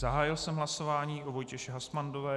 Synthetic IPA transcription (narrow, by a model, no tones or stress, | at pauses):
zaɦaːjɪlsɛmɦlaso̞vaːɲiːʔovo̞jcɛʃɛɦasmandovɛː